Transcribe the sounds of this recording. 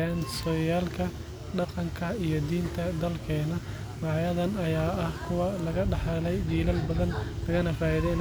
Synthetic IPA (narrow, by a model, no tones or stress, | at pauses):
aːnsɔjaːlkʰɐ | ɖɑqɑŋkʰɐijɞd̪iːnt̪ʰɐd̪ɐlkʰɛːnɐ | mɑʕjɐðɐnɐjaːɐhkʰʊwɐlɐɣɐɖɑħlɛjbiːlɐlbɐðɐnlɐɣɐnɐfaːiðɛjɪn